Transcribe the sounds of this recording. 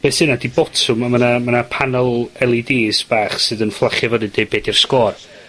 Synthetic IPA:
b̥esɨnadibɔtʰʊmamənamanapʰanɛlˠɛlˠidiːsb̥aːχsɨːðənflˠaχjavədɨdejbeːdir̥skɔːr

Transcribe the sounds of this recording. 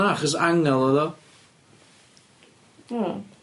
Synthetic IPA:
aχɔs̬aŋɛlˠɔðɔ

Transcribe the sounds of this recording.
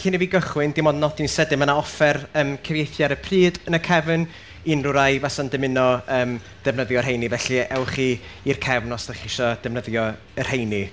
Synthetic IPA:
ɬinɛviɡəχwɪndɪmɔdnɔdʰinsɛdɪmənaɔfɛrəːmkʰəvjejθjaɾəpʰriːdənəkʰɛvən | inrʊɾajvasandɨmɪnɔəːm | d̥ɛvnəðjɔrɦejnivɛɬiɛwχiːirkʰɛvnɔsdəχiʃɔd̥ɛvnəðjɔ | ər̥hejni

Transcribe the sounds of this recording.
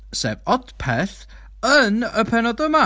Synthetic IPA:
sɛ̰ːvɔdpʰɛθ | ənəpʰɛnɔdəma

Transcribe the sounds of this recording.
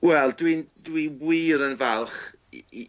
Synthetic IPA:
wɛlˠdwindwiwwiːɾənvɛlˠχ

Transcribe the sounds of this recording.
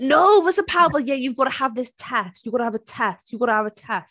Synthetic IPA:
noʊwʌsə̃pʰaʊəbəjɛjɨvɡɑɾɨəvðɪstʰɛstjɨvɡɑɾəəvɨtʰɛstjɨvɡɑɾ̃əəvɨtʰɛst̚

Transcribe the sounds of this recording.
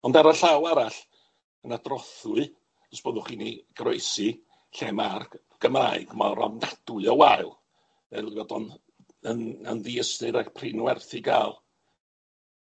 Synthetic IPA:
ɔndaɾaɬawaɾaɬ | ənadrɔθʊɨ̥ | ɔsb̥oðʊχiːniɡ̥rojsɨ | ɬɛmarɡ̥ | ɡ̥əmaɨɡ̥ma̰ɾɔ̰mnad̥wɨɔwaɨlˠ | vɛivɔdɔn | ənənðiəsnɨɾaɡpʰrɪnwɛrθɨɡaːlˠ

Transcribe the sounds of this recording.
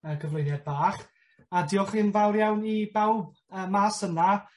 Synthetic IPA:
əːɡʰəvlʊjnjad̚baːχ | adiːɔχɨːnvawrjawnibɛwb̚ | əːmaːsəna

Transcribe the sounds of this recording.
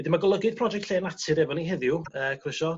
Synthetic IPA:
ədɪmaɡɔlˠəɡɨd̥̚pʰrɔd͡ʒɛk̚tʰɬeːnatʰɨɾɛvɔniɦɪðjʊəːkʰrɪʃɔ

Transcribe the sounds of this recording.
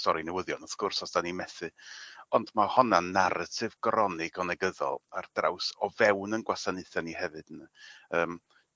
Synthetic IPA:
stɔɾinɛwəðjɔnɔθkʊrsɔsd̥animɛθɨɔndmahɔnanaɾəsɨvɡɔɾɔnɪɡɔnɛɡəðɔ̰lˠard̥ra̰wsɔvɛwnənɡwasanɨɨθjanihɛvɨd̥nəəːm

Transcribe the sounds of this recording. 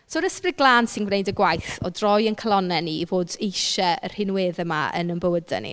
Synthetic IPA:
soːɾəsprɪɡlˠaːnsɪnɡwnejdəɡwajθɔ̰drɔjənkʰəlˠɔnɛnivoːdejʃɛər̥hɪnweːðɛmaə̰nənbəwədɛ̰nḭ

